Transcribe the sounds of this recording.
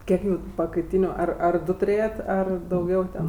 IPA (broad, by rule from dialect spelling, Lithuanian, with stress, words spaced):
ˈkʲiɛk juː pɐkɐɪˈtʲiːnʲʊ ˈɐr ɐr ˈdʊ tʊˈrʲeːjɛtʲ ˈɐr dɐʊˈɡʲɛʊ tʲɛn